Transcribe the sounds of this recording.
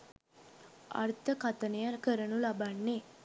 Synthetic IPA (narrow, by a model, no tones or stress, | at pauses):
a̰rt̪əkat̪ənejəkəɾənulabanːe